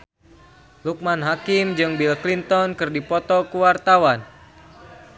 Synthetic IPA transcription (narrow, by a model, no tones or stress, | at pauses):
luk̚manɦakimd͡ʒɨŋbilklint̪ɔnkɨrdipɔt̪ɔkuwart̪awan